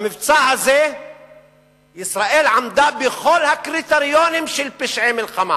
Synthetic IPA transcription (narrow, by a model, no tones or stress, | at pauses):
mɪft͡saːhazeː | jɪsɾˤaʔiːlʕamd̪aːbɪxoːlhakɾit̪aɾjoːnɪmʃilpɪʃʕeːmɪlqama̰